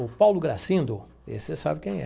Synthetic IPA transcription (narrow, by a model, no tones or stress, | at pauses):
ʊpawlʊɡɾasĩnd̪ʊ | ḛsɪsa̰bɪkẽj̃ɛ̰